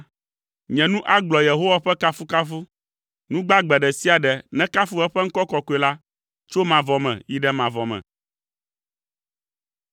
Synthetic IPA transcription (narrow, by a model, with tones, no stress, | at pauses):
ɲɛ̃˨nũ˦ʔa˦ɡ͡blɔ˨je˨ɦo˦wa˨ɸɛ˦ka˦fu˦ka˦fu˦ | nũ˦ɡ͡ba˦ɡ͡bɛ˨ɖɛ˨si˦a˨ɖɛ˨nɛ̃˦ka˦fu˦ɛ˦ɸɛ˦ŋ̩˦kɔ˦kɔ˦ko˨˦e˨la˦ | t͡ʃo˦mã˨vɔ˨mɛ̰̃˨ji˦ɖɛ˦mã˨vɔ˨mɛ̰̃˨